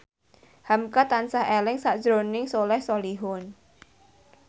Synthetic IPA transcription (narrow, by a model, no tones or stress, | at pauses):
hamkat̪ansaɦelɪŋsaʔd̥ʒɾonɪŋsolɛhsɔliɦʊn